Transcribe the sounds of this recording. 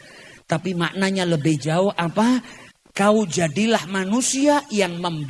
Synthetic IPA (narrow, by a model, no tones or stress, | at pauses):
t̪apimaʔnaɲaləbɪhd͡ʒaʊhʔapa | kaud͡ʒadilahmanusiajaŋməmb